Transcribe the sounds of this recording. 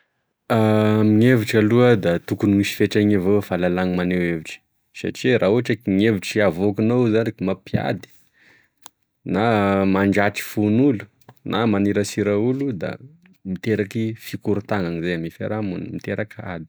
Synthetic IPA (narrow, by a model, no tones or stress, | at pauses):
amiŋeviʈ͡ʂaluəd̪at̪ukunimiʃi̥feʈ͡ʂaɲevowfalalaŋimaneweviʈ͡ʂi̥ | sa̰ʈ͡ʂirʔauaʈ͡ʂakiŋeviʈ͡ʂiavokunowzanikmapja̰d̪i̥ | namaɳɖ͡ʐaʈ͡ʂi̥funulu̥ | nʔamaniɾasiɾaulud̪a̰ | mit̪eɾakifikuɾut̪aŋaŋizajamifa̰ɾamunmit̪eɾaka̰d̪i̥